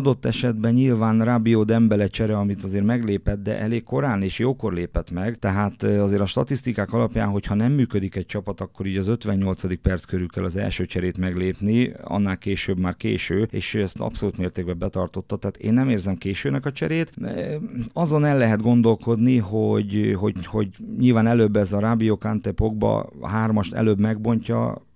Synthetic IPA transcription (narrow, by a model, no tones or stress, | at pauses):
d̪o̞t̪ːɛʃɛd̪bɛɲɲilvaːnraːbioːd̪ɛmbɛlɛt͡ʃɛɾɛɒmit̪ɒzeːɾmɛɡleːpɛt̪̚d̪ɛ̰ʔɛleːkko̞ɾaːneːʃjoːko̞rleːpɛt̪mɛɡt̪ɛɦaːt̪ɒzeːɾɒʃt̪ɒt̪ist̪ikaːkɒlɒpja̰ːnɦo̞chɒnɛmːyːkød̪ikɛc̚t͡ʃɒpɒt̪ɒkːo̞ɾiːɟɒzø̞t̪ʋɛɲːo̞lt̪sɒd̪ik̚pɛrt̪skøɾykɛlɒzɛ̰lʃøːt͡ʃɛɾeːt̪mɛɡleːpniɒ̰nːaːlkeːʃøbmaːrkḛːʃøːḛːʃɛst̪ɒ̰pso̞luːt̪meːrt̪eːɡ̚bɛbɛt̪ɒrt̪o̞t̪ːɒt̪ɛɦaːt̪ḛːnːɛmeːrzɛmkeːʃøːnɛkɒt͡ʃɛ̰ɾeːt̪ | ɒzo̞nɛlːɛɦɛd̪ɡo̞nd̪o̞lko̞d̪niɦoɟɦo̞ho̞̰ɟɲilvaːnɛløbːɛzɒɾaːbijokant̪epoɡ̚bɒ̰ɦaːrmɒʃt̪ɛ̰løːbmɛɡ̚bo̞ɲcɒ̰